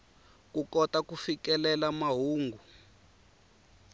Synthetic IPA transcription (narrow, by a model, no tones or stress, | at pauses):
kukɔtakufikɛlɛlamaɦuːŋɡʱu